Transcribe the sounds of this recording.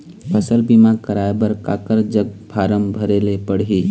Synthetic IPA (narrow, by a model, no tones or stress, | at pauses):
pʰəsəlbimãkəɾaːebəɾka̰ːkəɾd͡ʒəɡ̚bʱaːɾəmbʱəɾeːlepəɽ̤iː